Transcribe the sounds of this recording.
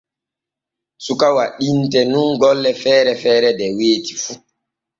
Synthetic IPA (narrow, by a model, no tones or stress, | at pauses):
sukawaɗintɛnunɡɔlːɛfɛːɾɛfɛːɾɛdɛweːtifu